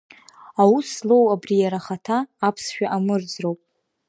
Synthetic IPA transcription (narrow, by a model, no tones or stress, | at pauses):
awuslo̞wabrijaɾaχatʰaːpʰsʃᶣaʔamɨrd͡zrowpʼ